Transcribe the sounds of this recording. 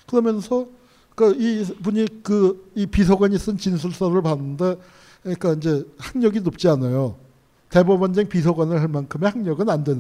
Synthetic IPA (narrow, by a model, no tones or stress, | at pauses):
kɯɾʌmjʌnsʰʌ | kaipuɲikɯipisʰʌɡwaɲis͈ɯnt͡ɕinsʰuɭs͈ʌɾɯɭpanɯnde | ik͈aind͡ʑe̞haŋɲʌɡinop̚t͡ɕ͈ianajo | te̞bobʌnd͡ʑeŋpis̬ʰʌɡwanɯɭɦaɭmankʰɯme̞haŋɲʌɡɯnandwe̞n